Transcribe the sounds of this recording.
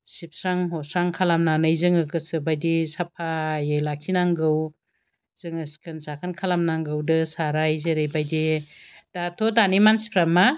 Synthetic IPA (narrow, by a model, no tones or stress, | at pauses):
sip̚sɾaŋɦɔsɾaŋkʰalamnanɯjzɯŋɯkɯsɯbajdisapʰajajlakʰinaŋɡɯw | z̥ɯŋɯskʰɯnsakʰankʰalamnaŋɡɯwdɯsaɾajzeɾejbajdid̥atʰodanimansi̥pʰɾamːa